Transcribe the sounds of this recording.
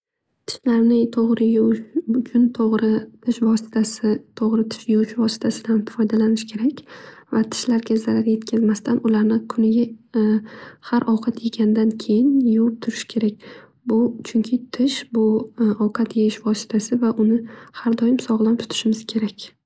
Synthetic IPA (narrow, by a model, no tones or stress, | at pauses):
t̪ʰɪ̥ʃlaɾnɪt̪ʰoʁɾɪjd͡ʒʰʊnt̪ʰoʁɾɪt̪ʰɪʃvɒsɪ̥t̪ʰasɪt̪ʰoʁɾɪt̪ʰɪ̥ʃjʊt͡ʃʰɪvɒsɪ̥t̪ʰasɪd̪anfɒjd̪alanɪʃkʲʰe̞ɾakʲvat̪ʰɪ̥ʃlaɾɡʲazaɾaɾje̞t̪kʲʰazmast̪ʰanʔʊlaɾnɪkʰʊnɪɡʲa | haɾʔɒwqʰɑt̪jeɡʲand̪ankʲʰe̞jɪnjʊwɪp̚t̪ʰʊɾɪ̥ʃkʲʰe̞ɾak̚ʲ | bʊt͡ʃʰʊŋkʲʰɪt̪ʰɪʃbʊɒwqʰɑt̪jeɪʃvɒsɪ̥t̪ʰasɪvaʔʊnɪhaɾd̪ɒjɪmsɒʁlˠant̪ʰʊ̥t̪ʰɪ̥ʃɪmɪz̥kʲʰe̞ɾakʲ